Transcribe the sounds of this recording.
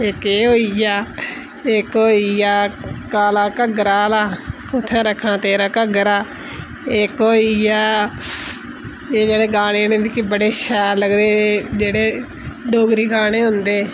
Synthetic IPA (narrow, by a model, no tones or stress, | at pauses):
ɪkeːɦoːijaː | ɪkoːiːjaːkaːlaːkəɡɾaːlaːkʊt̪ʰːãːɾəkʰːãːt̪eːɾaːkəɡɾaː | eːkoːijaː | eːd͡ʒeːɽeːɡaːɽ̃eːnẽːbikɪbəɽeːʃɛːɾləɡd̪eːd͡ʒeːɽeː | ɖoːɡɾiːɡaːɽ̃eːɦʊnd̪eː